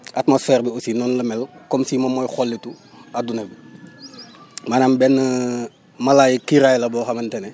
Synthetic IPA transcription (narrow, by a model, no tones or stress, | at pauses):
atmosfɛːrbiosinɔnlɐmɛlkɔmsimɐmɔjxɔlːitu | ɐdunɐbi | maːnambɛnː | mɐlaːjikiɾaːjlɐbɔːxɐmɐntɛnɛ